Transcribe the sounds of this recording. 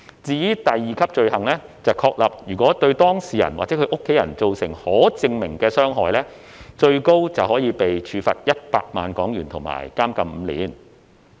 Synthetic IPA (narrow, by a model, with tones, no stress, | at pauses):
t͡siː˧jiː˥t̪ɐ˨jːiː˨˩kʰɐ˥p̚t͡ʃɵ˧ɥhɐ˨˩ŋlɛː˥t͡sɐ˨wkʰɔː˧k̚lɐ˨p̚jyː˨˩kʷɔː˨˥t̪ɵ˧ɥt̪ɔː˥ŋsiː˨jɐ̰˨˩nwaː˨k̚t͡sɛː˨˥kʰɵ˧ʔʊ˥kʰːe˨˥jɐ̰˨˩nt͡so˨wsɪ̰˨˩ŋhɔː˨˥t͡sɪ˧ŋmɪ˨˩ŋkɛː˧sœː˥ŋɦɔː˨jlɛː˥ | t͡ʃɵ˧ɥko˥wt͡sɐ˨whɔː˨˥jiː˨˧pe˨jt͡ʃʰyː˨˧fɐ̰˨t̚jɐ˥t̚pa̰ː˧k̚maː˨nkɔː˨˥ŋjyː˨˩nt̪ʰʊ˨˩ŋma̰ː˨˩jkaː˥mkɐ˨˧mm̩ː˨˧lḭː˨˥n